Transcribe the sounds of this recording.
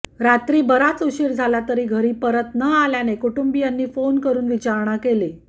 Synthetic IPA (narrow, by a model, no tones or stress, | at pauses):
ɾat̪ɾiːbəɾat͡suɕiːɾd͡zʱalat̪əɾiːɡʱəɾiːpəɾət̪nəaljanekuʈumbijanːiːfonkəɾuːnʋit͡ɕaɾɳakele